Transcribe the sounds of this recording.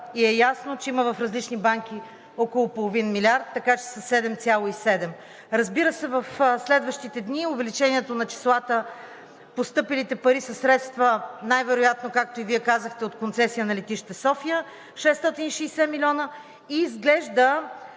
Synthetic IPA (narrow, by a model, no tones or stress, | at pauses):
iɛjasnot͡ʃɛiməvɐfɾɐzlit͡ʃnibaŋk̟i | ɔkolˠopolˠovinmilʲaɾt̪ːɐkat͡ʃɛ̥sɐsɛd̪ɛmt̪sʲjalˠoisɛd̪ɛm | ɾɐzbiɾəsɛvəfslɛd̪vəʃt̪it̪ɛd̪niʊvɛlit͡ʃɛniɛt̪onɐt͡ʃi̥slˠat̪ə | post̪ɤpilit̪ɛpɐɾisɐsːɾɛt̪st̪vənajvɛɾojat̪nokak̚t̪oiviɛkazəxt̪ɛot̪kont̪sɛsijənɐlɛt̪iʃt̪ɛsɔfijə | ʃɛst̪ɔt̪iniʃɛjsɛmilʲɔnə | iːzɡlɛʒd̪ə